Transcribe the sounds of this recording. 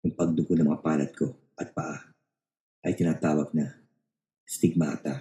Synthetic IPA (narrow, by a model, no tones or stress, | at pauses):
jʊŋpɐɡ̚d̪okonɐmɐ̰ŋapaːlɐ̰t̪̚kʰo̞ | ʔɐt̪̚pɐʔa | ʔɐjt̪ɪnaːt̪aːwɐɡ̚nɐ | st̪ɪɡ̚ma̰ːt̪a